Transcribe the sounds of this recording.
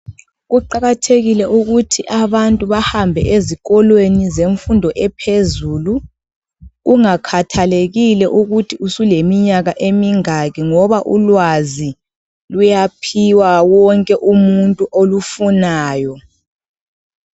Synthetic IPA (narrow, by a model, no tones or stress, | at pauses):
ɣuǃaɣatʰeɣilɛʔuɣutʰiʔaβantʼuβahambʱɛ̰ʔeziɣɔlwenizeɱfundʱɔʔɛpʰezuːlu | ɣuŋakʰatʰaleɣilɛʔuɣutʰiusulemiɲaɣaʔemiŋaɣiŋɔβaʔulwazi | lujapʰiwawɔŋkʼɛʔumuntʼuʔolufunaːjɔ